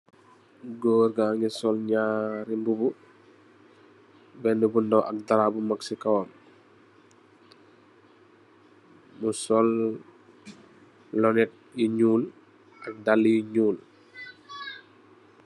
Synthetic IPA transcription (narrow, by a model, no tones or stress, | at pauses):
ɡoːɾɡaːŋɡisɔlɲaɾimbubu | bɛndubundɔwʔɐk̚daɾabumaksikawɔm | musɔl | lɔnɛt̚jiɲuːl | ɐk̚dalːiiɲuːl